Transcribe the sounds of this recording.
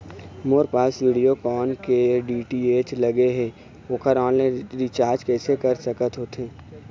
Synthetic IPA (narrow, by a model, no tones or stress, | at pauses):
moːɾpaːsʋiːɖijokɔːnkeɖiːʈieːt͡ʃləɡeɦɛ̃ | oːkəɾɔ̃ːnlãɾɪt͡ʃaːɾd͡ʒkɛːsekəɾsəkət̪ɦoːt̪ẽː